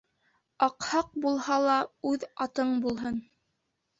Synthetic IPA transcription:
ɑqhɑq̚bulˠhɑlˠɑʉðɑt̪ɤɴbulˠɦɤn

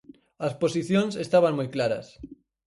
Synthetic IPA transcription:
asposiθjõnsest̪aβ̞aŋmujklaɾa̰s

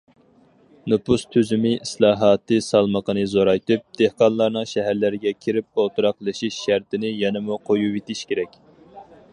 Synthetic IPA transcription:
nɨpust̪ʰyzymɪislˠɑːɦɑːt̪ʰɨsɑlˠməqʰənɨzoɾɑjt̪ɨp̚d̪̥ehqɑnlˠɑɾnɨŋʃɛɦæɾlɪɾɪɡʲɛkʲʰiɾɪp̚olˠt̪ɨɾɑqlˠɨʃiʃːæɾt̪ɪnɪjɛnɛmuqʰojuwet̪iʃkʲeɾɛkʲ

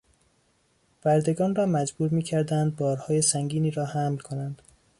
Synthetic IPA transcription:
b̥æɾd̪e̞ɡɒːnrɒːmæd͡ʒbuːɾmiːcʰæɾd̪ænd̪̚bɒːɾhɒːje̞sæŋɡiːniːɾɒːhæmlkʰo̞nænd̪̥

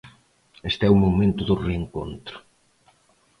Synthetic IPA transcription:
est̪ɛumomẽnt̪ʊðʊreŋko̰nt̪ɾʊ̥

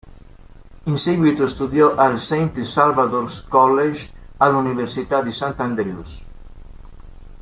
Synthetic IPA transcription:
inseɣwit̪uest̪uðjoʔalsejnt̪salβaðoɾskɔleʒ | aluniβeɾsit̪ad̪isãnt̪and̪eɾjus

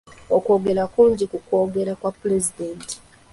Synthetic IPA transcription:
oko̞ːɡe̞ɾakuːɲɟikuko̞ːɡe̞ɾakwapuɾezideːnti̥

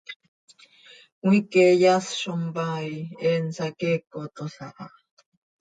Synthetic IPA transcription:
wikejasʃombajensakekot̪osaʔa̰

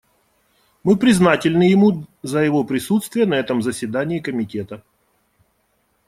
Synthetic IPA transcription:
mɨpɾʲɪznatʲɪlʲnɨjɪmuzəjɪvo̞pɾʲɪsut̪st̪vʲɪjənəɛt̪əmzəsʲvʲɪd̪anʲɪːkəmʲɪtʲe̞t̪ə

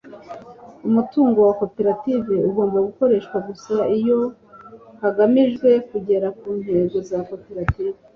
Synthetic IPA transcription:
umutuːŋɡo̞wako̞peɾativeuɡoːmbaɡuko̞ɾe̞ːʃkwaɡusaijo̞ | haɡamiʒɡwe̞kuɟe̞ɾakuːnhe̞ːɡo̞zako̞peɾatiːve

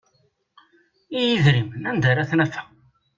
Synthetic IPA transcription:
ijiðɾimənænd̪aɾæθnæfæ̥

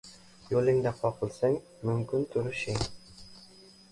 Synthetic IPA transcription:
jolˠɪŋd̪aqʰɒqʰɨlˠsaŋ | mɵmkʰʲynt̪ʰʊɾʃɪŋ

